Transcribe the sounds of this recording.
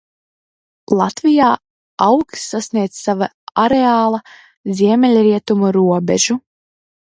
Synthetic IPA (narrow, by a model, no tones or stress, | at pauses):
lˠat̪vijaː | awksːasnʲiɛd̪sava | aɾeaːlˠɐ | zʲiɛmʲɛlʲɾiɛt̪umuɾuɔbʲɛʒ̥u